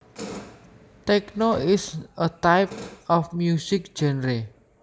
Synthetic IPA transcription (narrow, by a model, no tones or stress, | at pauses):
t̪ɛknoʔɪsət̪ajp̚ɔfmjusɪk̚d̥ʒ̥ɛnɾe